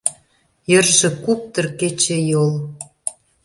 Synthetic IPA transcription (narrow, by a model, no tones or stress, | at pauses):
jə̆rʒĕkuk̚t̪ə̆rket͡ɕĕjol